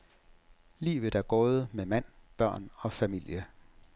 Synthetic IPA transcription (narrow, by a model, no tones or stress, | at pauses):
lḭːʋə̥æɐɡ̥ɔːð̩ˠəmemæn̰b̥ɶɐ̰nɒ̽fæmil̰jə